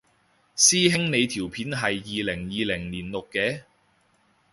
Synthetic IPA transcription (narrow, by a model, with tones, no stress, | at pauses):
siː˥ɦɪ˥ŋne˨˧jt̪ʰiː˨˩wpʰiː˨˥nɦɐ˨jːiː˨lɪ˨˩ŋjiː˨˧lɪ˨˩ŋniː˨˩nlʊ˨kːɛː˧˥